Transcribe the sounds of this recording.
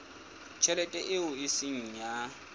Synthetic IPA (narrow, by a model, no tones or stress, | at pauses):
t͡ʃʰɛlɛtʼɛʔɪʊɪsɪŋ̩ja